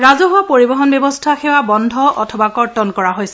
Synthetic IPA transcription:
ɹazɔɦʊwapoɹibɔɦɔnbjɛbɔstʰaxɛwabɔndʱɔʔɔtʰɔbakɔɹtɔnkɔɹaɦojsɛ

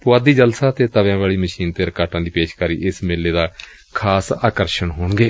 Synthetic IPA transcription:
pʊaːd̪iːd͡ʒəlsaːt̪eːt̪əʋjãːʋaːɭiːməʃiːnt̪eːɾəkaːʈãːd̪iːpeːʃkaːɾḭːʔɪsmeːlːeːd̪aː | kʰaːsa̰ːkəɾʃəɳɦoːɳɡeː

